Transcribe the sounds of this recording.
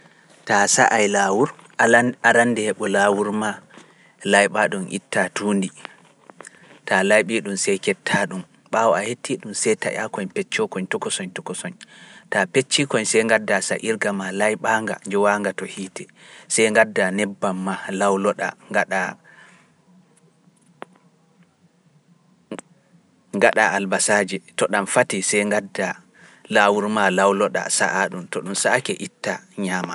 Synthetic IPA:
tasa̰ʔajlawuɾ | aɾandɛhɛɓɔlawuɾma | lajɓaɗumʔḭtːatuːndi | talajɓiɗumsɛjkɛtʰːaɗum | ɓawɔahetʰːiɗumsɛjta̰ja̰kɔɲpɛt͡ʃːɔkɔɲtɔkɔsɔɲtɔkɔsɔɲtapet͡ʃːikɔɲsɛjŋɡadːasa̰ʔiɾɡamalajɓaŋɡa̰nd͡ʒɛwaŋɡatɔhiːtɛsɛjŋɡadːanɛbːamːalawlɔɗa̰ŋɡaɗa | ŋɡaɗa̰albasad͡ʒɛtɔɗamfatisɛjŋɡadːa | lawuɾmalawlɔɗa̰sa̰ʔaɗumtɔɗumsakɛʔitːaɲaːma

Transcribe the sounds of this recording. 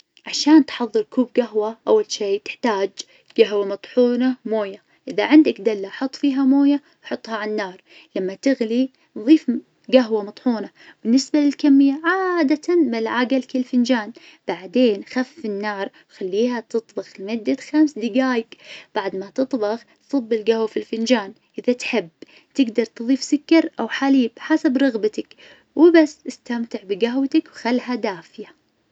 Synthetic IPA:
ʕaʃaːnt̪ħɑðˤːɨɾkuːb̚ɡaɦwaʔawːalʃiːt̪ɪ̥ħt̪aːd͡ʒ | ɡ̥aɦwamɑt̪ˤħuːnamoːja | ʔɪðaʕɪnd̪akd̪alːaʔħɑt̪ˤːfiːɦamoːja | wħɑt̪ˤːhɑʕanːɑːɾˤ | lamːat̪ɪɣli | ðˤiːf | ɡaɦwamɑt̪ˤħuːna | bɪnːɪsbalɪlkamːɪjːaʕaːd̪at̪ʰanbɪlʕaːɡalkɪlfɪnd͡ʒaːn | b̥aʕd̪eːnxafːɪnːɑːɾˤ | xalːiːhat̪ɨt̪ˤbɑɣlmʊd̪ːaxamsd̪ɪɡaːjɪkb̥aʕd̪mat̪ɨt̪ˤbɑɣt̪sˤɨbːɪlɡahwafilfɪnd͡ʒaːn | ʔɪðat̪ħɪb | t̪ɪɡd̪ɑɾˤt̪ɨðˤiːfsʊkːɑɾˤʔawħaliːbħasabɾˤɑɣbat̪ak | wɪbasːɪst̪amt̪ɪʕbɪɡaɦwt̪akwxalːɦad̪aːfja

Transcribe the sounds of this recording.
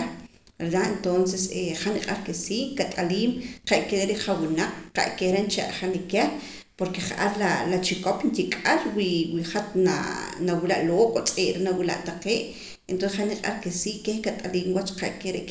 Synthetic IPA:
ɾelaʔent̪onseseχaniqʼaɾkesiːʔkat̪ʼaliːmqeʔkeɾeʔɾeʔχawinaq͡χqa̰ʔkehɾent͡ʃa̰ʔχanikeɾ | poɾkeχaʔaɾlalat͡ʃikopnt̪ikʼaɾwiwiχat̪na̰nawilaʔloːʔkʼot͡sʼeːʔɾenawila̰ʔt̪aqeːʔ | ent̪osχaniqʼa̰ɾkesiːʔkehkat̪ʼaliːmwat͡ʃqa̰ʔkeɾeʔ

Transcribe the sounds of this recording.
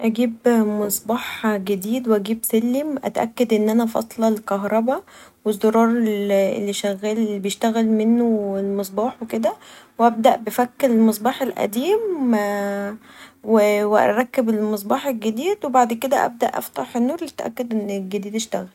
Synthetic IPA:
ʔæɡiːbmesˤbɑːħɡed̪iːd̪wʔæɡiːbsælːimʔæ̰t̪ʔæ̰kːæd̪ʔenːʔænæfɑ̰sˤlɑlkɑɦɾˤɑbɑwezːoɾˤɑːɾˤellːiʃæɣæːllːibejeʃt̪æɣælmenːoelmesˤbɑːħweked̪æwʔæb̚d̪æʔbefækːlmɑsˤbɑːħelʔæ̰d̪iːm | weweʔæ̰ɾˤɑkːebelmɑs̬ˤbɑːħelɡed̪iːd̪webaʕd̪ked̪æʔæ̰b̚d̪æʔːæ̰ft̪ˤɑħenːuːɾˤlit̪ʔæ̰kːæd̪ʔenːelɡed̪iːd̪eʃt̪æɣæl

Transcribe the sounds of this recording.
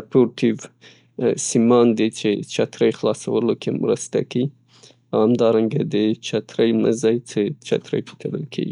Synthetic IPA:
poɾʈiv | simɑnd̪et͡ʃet͡ʃat̪ɾəjxlɑsawəlokʰemɾəst̪a̰ki | ahamd̪ɑɾaŋɡad̪ət͡ʃat̪ɾəjməzajt͡set͡ʃa̰t̪ɾə̰jpi̥t̪ʰələ̰lkʰḛɡi

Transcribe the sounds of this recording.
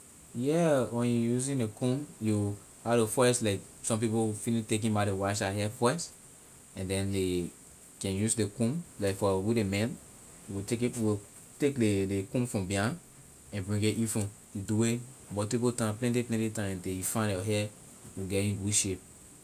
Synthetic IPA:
jɛwɛ̃njujuzĩnlekũmju | halefɔjslaɪk | sɔ̃mp̬ipowfinĩtek̬ĩmaɾiwaʃaɦɛfɔs | ɛ̃ndɛ̃nde | kɛ̃njusdekũmlaɪkfɔwidemɛ̃n | juwitekiwi | tekdelekũmfɹɔ̃mbiãn | ɛ̃nbɹĩŋɡeʔifɹɔ̃ | juduwemɔtipotãplɛ̃nt̬iplɛ̃ntitãɪmɛ̃ntẽjufãndjɔɦɛ | juɡɛĩwiʃep̚

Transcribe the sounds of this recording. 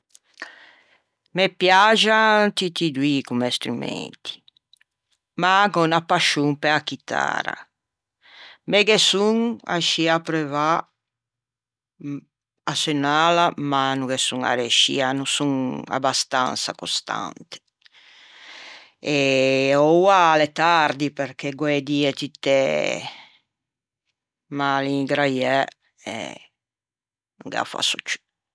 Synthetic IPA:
mepjad͡ʒat̪it̪id̪wikumɛst̪ɾumɛ̰nt̪ʰi̥ | maɡɔnapaʃuŋpɛakit̪ʰa̰ɾa̰ | mɛɡesuŋa̰ʃiapɾɛva | asenalamanuɡesuŋa̰ɾeʃḭanusuŋa̰bast̪a̰nsakost̪a̰nt̪e̥ | eowalet̪aɾd̪ipeɾkeɡweed̪iet̪it̪ːe | maliŋɡɾajɛ | ḛ | nuŋɡa̰fa̰sut͡ʃu̥

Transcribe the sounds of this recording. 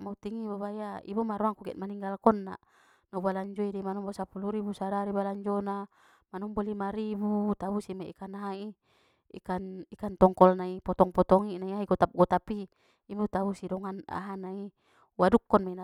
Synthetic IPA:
maut̪iŋibɔβajaḭbɔmaɾuaŋkuɡɛ̰t̪̚maniŋɡalkɔnːa̰ | nabalaɲd͡ʒɔidɛmanɔmbɔsapuluɾibusadaɾibalaɲd͡ʒɔna | manɔmbɔlimaɾibut̪abusimaikanaɦai | ḭkanikant̪ɔŋkɔlnaipɔt̪ɔŋpɔt̪ɔŋinaiaiɡɔt̪ap̚ɡɔt̪apiː | but̪abusidɔŋana̰ɦanai | wadukːɔnmɛna

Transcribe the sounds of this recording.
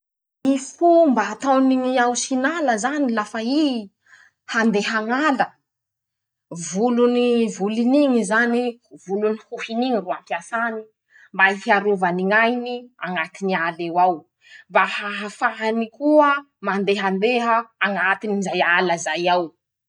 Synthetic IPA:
ifumbaːt̪aniŋiawsinaləzanilafai | hand̪eɦaŋalə | vulunivuliniŋizanivulunihuhiniŋiruampiasani | mbaifiaɾuvaniŋajniaŋat̪inialewaw | mbahaɦafaɦanikuə | mand̪eɦand̪eɦəːŋat̪inizajaləzajaw

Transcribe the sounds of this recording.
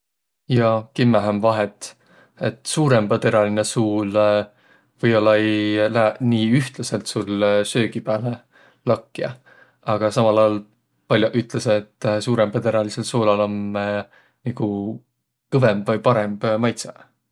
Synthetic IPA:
jɑkimːeɦæmvɑɦet̪ːˑ | e̞t̪ːˑsuːɾe̞mb̥ɑt̪eɾɑlinesuːl | vɤjolːɑejlæniːyht̪lɑse̞lt̪sulsø̞ːɡ̥ipæːle | lɑkːiɑ | ɑɡ̥ɑsɑmɑlɑjɑl | pɑlʲjoʔyt̪ˑleseːt̪ːsuːɾempɤt̪eɾɑliselsoːlɑlɑmː | niɡ̥u | kɤvembvɤjpɑɾe̞mb̥mɑjt̪se

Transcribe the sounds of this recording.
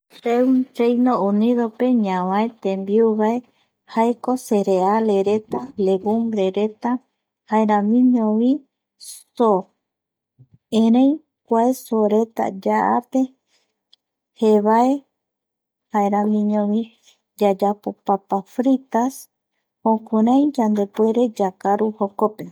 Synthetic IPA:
sewnt͡ʃejnõuniðopeɲãβãet̪ẽmbiuβae | haekoseɾealeɾet̪aleɡumbɾeɾet̪a | haeɾamĩɲõβi | so | ẽɾẽj | kʷaesoɾe̞t̪a̰d͡ʒaa̰pe̞ | heβae | haeɾãmĩɲõβi | d͡ʒad͡ʒapo̞papafɾit̪as | hõkuɾãj̃d͡ʒand̪e̞pue̞ɾe̞d͡ʒakaɾuhokope

